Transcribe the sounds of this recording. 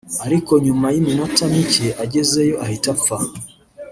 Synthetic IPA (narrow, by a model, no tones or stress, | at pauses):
aɾikɔɲumajimimatamiceʔaɟɛzejɔʔahitap̪fa